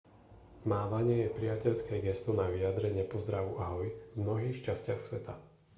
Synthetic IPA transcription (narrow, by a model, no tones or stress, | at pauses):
maːʋaɲɪɛjɛpɾijacɛʎskɛːɡɛst̪ɔnaʋiad̪ɾɛɲɪɛpɔzd̪ɾaʋuʔaɦɔjvmnɔɦiːxt͡ʃascɪaxsʋɛt̪a